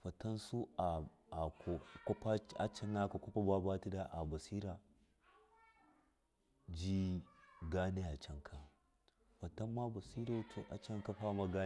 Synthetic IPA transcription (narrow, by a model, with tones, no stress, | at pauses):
ɸɐ˨tɐ˦nsu˦a˨ | a˨o˨ka˦a˦t͡ʃa˦na˦ka˨ko˦pa˦ba˦ba˦ti˦da˦ʔa˨ba˨si˦ɾa˨ | d͡ʒi˦ɡaː˦ne˦a˨t͡ʃɐ˦ŋkʰa˨ | ɸɐ˨ta˦mːa˦bɐ˨si˦ɾo˦tʰo˨ʔa˨t͡ʃɐ˦ŋka˦ɸa˦ma˦ɡa˦